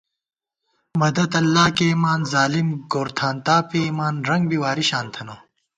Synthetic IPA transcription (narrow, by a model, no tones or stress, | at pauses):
mɐd̪ɐd̪ɐlːaːkeːmaːnzaːlimɡoːɾt̪ʰaːnt̪aːpemaːnɾɐŋɡbiwaːɾiɕaːnt̪ʰɐnoː